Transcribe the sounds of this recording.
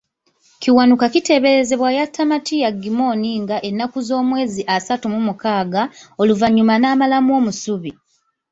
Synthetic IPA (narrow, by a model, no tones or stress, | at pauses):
ciwanukakite̞ːβe̞ɾe̞ze̞βwajatʰːamatijaɡimo̞ːniŋɡaʔe̞nːakuzo̞ːmwe̞ːziʔasatumumukaːɡao̞luvaɲːumanaːmalamuo̞ːmusuβi